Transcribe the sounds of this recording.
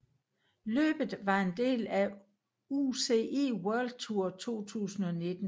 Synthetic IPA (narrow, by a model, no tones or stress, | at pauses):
lø̰ːb̥ð̩ˠʋɑ̈e̝nd̥e̝̰ːlæ | use̝e̝̰ːwœɐld̥̚t͡sʰuɐ̰t͡sʰo̝̰ːt͡sʰṵːsn̩ɒ̽ne̝d̥n̩